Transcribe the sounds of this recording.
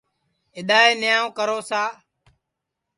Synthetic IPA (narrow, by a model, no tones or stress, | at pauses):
ɪɗaːeːnɪjãːõːkəɾoːsaː